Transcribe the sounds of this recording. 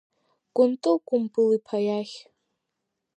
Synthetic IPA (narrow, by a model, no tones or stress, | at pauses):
ɡ̥ʷʊntʼɨlɡʷʼʊmbɨlipʰajaχʲ